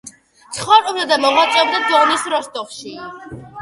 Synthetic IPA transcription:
t̪sʰχwɔɾuɾad̪amɔʁwat̪sʼwɛb̚d̪ad̪zɔnisɾɔst̪ʼɔχʃi

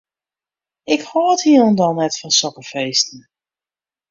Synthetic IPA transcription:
ɪkhoːthiənɔndɔlˠnɛtfɔnsɔkəfejstən̩

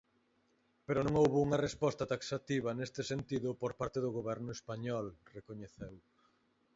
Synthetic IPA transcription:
peɾʊnõŋowβʊuŋɐrespɔst̪ɐt̪aksat̪iβɐnest̪ɪsent̪iðʊpoɾpaɾt̪eðʊɣoβɛɾnʊespaɲɔlrekoɲeθew

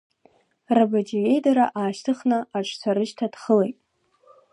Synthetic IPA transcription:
rabad͡ʒije̞jdaɾaʔaːʃtʰɨχnaaʈ͡ʂʰʼsʰaɾɨʃtʰad̥χəlejtʼ

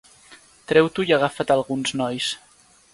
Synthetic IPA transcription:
t̪ɾɛwt̪uiaɣ̞afət̪alˠɣunznɔjs

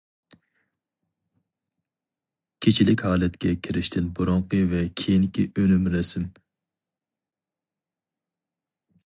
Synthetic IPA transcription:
kʲʰet͡ʃʰilɪkʲhɑːlɛt̪kʲɛkʲʰiɾɪʃt̪ʰɪnbuɾʊɴqʰəvɛkʲʰejinkʲiʔølymɾɛsɪm

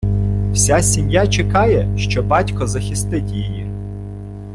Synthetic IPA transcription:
w̥sʲasʲimjat͡ʃekɑjɛʃt͡ʃɔbɑtʲkɔzɐxʲist̪ɪtʲjiji

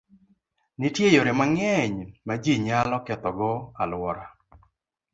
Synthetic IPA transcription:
nitjejoɾɪmaŋɛɲmad͡ʒiɲalɔkɛt̪ɔɡɔalwɔɾa

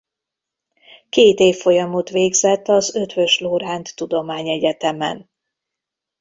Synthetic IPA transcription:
keːt̪eːfːo̞jɒmot̪ʋeːɡzɛt̪ːɒzø̞t̪vøʃloːɾaːnt̪ːud̪o̞maːɲɛɟɛt̪ɛmɛ̰n

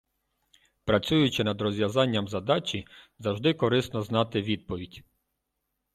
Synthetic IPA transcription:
pɾɐt͡sʲujʊt͡ʃɪnɐd̪ɾɔzʲʋjɐzɑnʲːɐmzɐd̪ɑt͡ʃʲizɐʒd̪ɪkɔɾɪsnɔznɑt̪ɪʋʲid̪̚pɔʋʲidʲ

